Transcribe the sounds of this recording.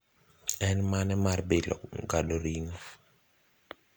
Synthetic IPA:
ɛnmanɛmarbɪlɔ̰kɡadoɾiŋo

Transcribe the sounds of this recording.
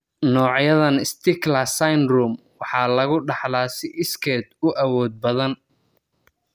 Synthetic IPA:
nɔːʕjɐðɐnɪst̪ʰɪklɐsajnruːm | wɑħɑːlɐɣʊɖɑħlaːsɪʔɪskʰɛd̪ʊʔɐwɔːd̪̚bɐðɐn

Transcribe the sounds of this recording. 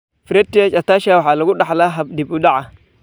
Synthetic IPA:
fɾetːijat͡ʃataʃawalaɡuɗaalaɦabdibudaa

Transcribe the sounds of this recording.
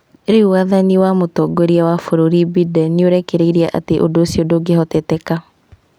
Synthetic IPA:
eɾeuwaðaniwamotɔɡoɾiawafoɾoɾibidɛnioɾɛkɛɾeiɾiaʔa̰teʔo̰doːsiodoɡehɔtɛtɛka

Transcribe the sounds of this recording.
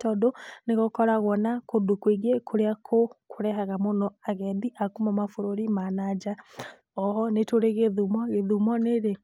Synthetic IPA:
tɔdoneɣokɔɾaɣwɔnakodukwiɣekʰoɾeakʰokʰoɾɛɦaɣamonɔaɣɛðiʔakumamafoɾoɾimanad͡ʒa | ɔɦɔnetoɾeɣeðumɔɣeðumɔneɾe

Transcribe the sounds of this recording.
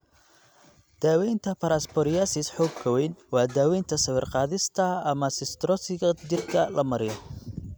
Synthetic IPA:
d̪̥aːwɛjnt̪ʰɐpʰɐɾaːspʰɔɾɪjasɪsħɔːɡ̚kʰɐwɛjnwɑːd̪aːwɛjnt̪ʰɐsɐβɪrqɑːðɪst̪ʰɐɐmɐsɪst̪ɾɔsɪɣɐd͡ʒɪrkʰɐlɐmɐɾɪjɔ

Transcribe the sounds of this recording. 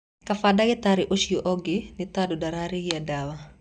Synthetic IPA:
kafadaɡɪtaɾɪʔoʃioʔɔɡɪnɪtadɔdaɾaɾihiadawa

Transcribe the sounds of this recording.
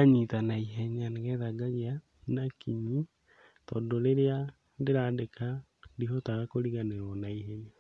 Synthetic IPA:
aɲitanaiɦɛɲaneɣɛðaɡaɣia | nakiɲi | tɔndoɾeɾea | ndeɾaːndeka | diɦɔtaɣakoɾiɣaneɾɔnaiɦɛɲa

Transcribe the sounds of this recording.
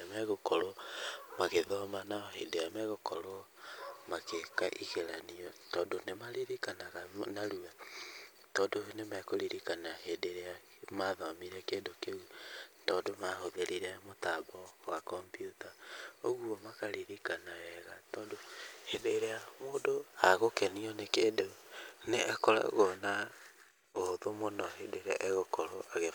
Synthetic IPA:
amɛɣokɔɾomaɣeðɔmanahḛdeamɛɣokɔɾo | makekaʔiɣeɾaniɔtɔːndonemaɾiɾikanaɣanaɾua | tɔːndonemɛkoɾiɾikanahedeɾea | maðɔmiɾɛkedoke | tɔːndomahoðeɾiɾɛmotaβɔwakɔmpjutaoɣwɔmakaɾiɾikanawɛɣatɔːndohedeɾeamoːndoaɣokɛniɔnekedeneʔakɔɾa̰ɣona | oðomonɔhedeɾɛ̰ʔeɣokɔɾɔʔaɣe

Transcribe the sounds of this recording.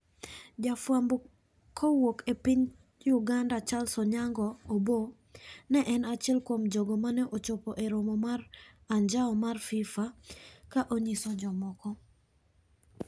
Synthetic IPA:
d͡ʒafwambo | kʰɔwokepiɲ | juɡandat͡ʃalsɔɲaŋɡɔobo | nɛʔɛnat͡ʃɛlkwomd͡ʒɔɡomanɛʔot͡ʃɔpɔʔeɾomɔmar | aɲd͡ʒaɔmarfifakaʔoɲisɔd͡ʒɔmɔkɔ

